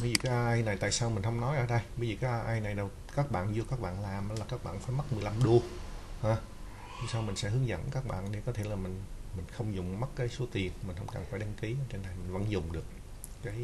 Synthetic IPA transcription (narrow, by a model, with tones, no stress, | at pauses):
ɓə˨˦jzi˨˩kaː˨˦˥ʔjʔaː˧jna˨˩jt̪a̰ː˧˨jsaː˧wmï˨˩ŋ̟hə˧wŋ͡mnɔ˨˦jʔəː˧˩ɗə˧jɓə˨˧˦ziː˨˩kaː˨˦˥ʔaː˧jʔaː˧jna˨˩jɗə˨˩w | kaː˦˥k̚ɓa̰ː˧˨nzu˧əkaː˦˥k̚ɓa̰ː˧˨nlaː˨˩mʔəː˧˦laː˨˩kaː˦˥k̚ɓa̰ː˧˨nfaː˧˩jma˦˥t̚mɨ˨˩əjla˧mɗu˧əhaː˧˩ | ɲɔ˧ŋsaː˧wmï˨˩ŋ̟sɛ̰˧˥ɦɨ˨˦əŋzə̰˧˥nkaː˦˥k̚ɓa̰ː˧˨nɗe˨˩kɔ˨˦t̪ʰe˧˩laː˨˩mï˨˩ŋ̟mï˨˩ŋ̟xə˧wŋ͡mzʊ˨˩ŋ͡mmə˦˥tkaː˨˦jso˨˦t̪i˨˩ənmï˨˩ŋ̟hə̰˧wŋ͡mka̰˨˩nfaː˧˩jɗa˧ŋki˨˦ʔəː˧˦t͡ɕe˧nːa˨˩jmï˨˩ŋ̟və̰˧˥nzʊ˨˩ŋ͡mɗɨ˨˩ək̚ː | aː˨˦j